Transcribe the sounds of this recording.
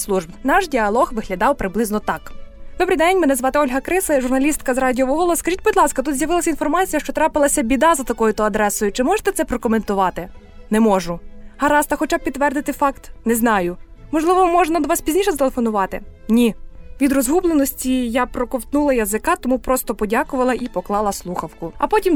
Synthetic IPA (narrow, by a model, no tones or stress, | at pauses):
slˠuʒbnɑʃdʲiɐlˠɔxʋɪɦlʲɐd̪ɑwpɾɪblˠɪznɔt̪ɑkd̪̥ɔbɾʲejd̪ɛnʲmɛnɛzʋɑt̪ɪɔlʲɦɐkɾɪsˠɛʒʊrnɐlʲist̪kɐzrɑdʲiɔʋɔɦɔlˠɔskɐʒʲitʲbʊd̪ʲlˠɑskɐt̪ut̪zʲjɐʋɪlˠɐsʲɐinfɔrmɑt͡sʲijɐʃt͡ʃɔt̪ɾɑpɪlˠɐsʲɐbʲid̪ɑzɐt̪ɐkɔjʊt̪ɔɐd̪ɾɛsɔjʊt͡ʃɪmɔʒe̥t̪ɛt̪sɛpɾɔkɔment̪ʊʋɑt̪ɪ | nɛmɔʒʊhɐɾɑst̪ɐxɔt͡ʃɑb̚pʲːit̪ːʋɛrd̪ɪt̪ɪfɑkt̪nɛznɑjʊmɔʒlˠɪʋɔmɔʒnɐd̪ɔʋɑspʲizʲnʲiʃɛzt̪elˠefɔnʊʋɑt̪ɪ̰nʲiʋʲid̪rɔzɦublˠenɔsʲtʲijapɾɔkɔwt̪nulˠɐjɐzɪkɑt̪ɔmupɾɔst̪ɔpɔdʲakʊʋɐlˠɐʔipɔklˠɑlˠɐslˠuxɐwkʊɐ̰pɔtʲim